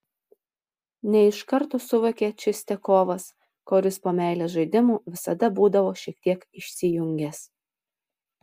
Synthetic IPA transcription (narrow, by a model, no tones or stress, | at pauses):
nʲɛɪʃkɐɾˑt̪oːsʊʋokʲeːt͡ʃʲɪsʲt̪ʲɛkoːʋɐs | koːɾʲɪspoːmʲæˑɪlʲeːsʒɐɪd̪ʲɪmuːʋʲɪsɐd̪ɐbuːd̪ɐʋoːʃʲiɛk̚t̪ʲiɛkɪʃʲsʲɪjʊŋʲɡʲɛs